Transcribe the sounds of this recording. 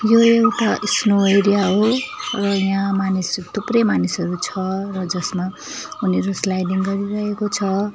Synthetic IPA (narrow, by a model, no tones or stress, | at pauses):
joewʈaʔsnoʌjɾijaɦorʌjãmanist̪uprʌjmanisʌɾut͡sʰʌrʌd͡zʌsma | uneɾuslajdiŋɡʌɾiɾʌɦekot͡sʰʌ